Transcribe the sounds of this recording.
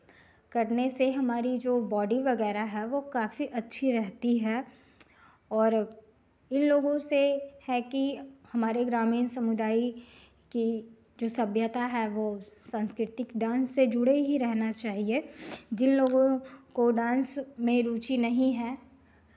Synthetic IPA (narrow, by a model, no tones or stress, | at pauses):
kɐɾneseɦɐmaːɾid͡ʒoːbɔːɖiʋɐɡɛːɾaɦɛʋokaːfiʔɐtːʃʰiɾɛɦt̪iɦɛ | ɔːɾ | ɪnloːɡõsehɛkihɐmaːɾeɡɾaːmiːnsɐmʊd̪aːi | ki | d͡ʒoːsɐbʱjət̪aɦɛʋoːsãːnskɾɪt̪ɪkɖãːnsːed͡ʒʊɽeɦiɾɛɦnat͡ʃaːɦied͡ʒɪnloːɡõkoɖãːnsmẽɾuːt͡ʃinɐɦĩɦɛː